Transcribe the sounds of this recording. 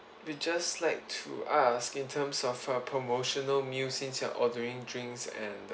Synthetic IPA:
wid͡ʒaslaɪk̚tʰṵʔaskĩntʰə̃msɔfəpʰɹomoʃɔnəlmjusĩŋsɛ̰̃nʔɔdəɹɪ̃ŋdɹɪ̃ŋksɛ̰̃n

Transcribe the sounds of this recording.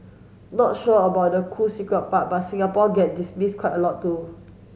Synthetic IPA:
nɔt̚ʃɔəbaʊt̚dəkʰusikɹət̚pat̚bat̚sĩŋapɔɡɛt̚dismiskwaɪjtəlɔt̚tːu

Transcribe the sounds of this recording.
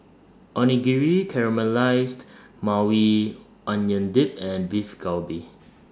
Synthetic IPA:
ʔɔniɡiɹikʰɛɹəmalaɪsd | mawi | ʔɔ̃njə̃ndip̚ɛ̃nbifɡalbi

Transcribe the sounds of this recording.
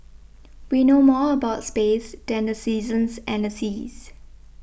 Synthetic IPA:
winoːmɔːəbaʊtspeːsd̥ɛ̃ndəsiːzə̃nsʔɛ̃ndəsiz̥

